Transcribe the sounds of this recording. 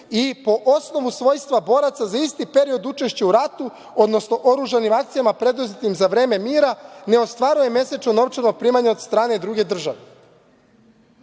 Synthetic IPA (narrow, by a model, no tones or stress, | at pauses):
ipo̞ʔosno̞ʋusʋo̞jst̪ʋabo̞ːɾat̪sazaist̪ipe̞ɾio̞d̪ut͡ʃe̞ʃt͡ɕeuɾat̪u | o̞d̪no̞sno̞ʔo̞ɾuʒanimak̚t̪sijamapɾe̞d̪ozet̪imzaʋɾe̞ːme̞miːɾane̞o̞st̪ʋaːɾuje̞me̞set͡ʃono̞ʋt͡ʃeɾno̞ɡ̚pɾiːmaɲaod̪st̪ɾaːne̞d̪ɾuɡe̞d̪r̩ʒaʋe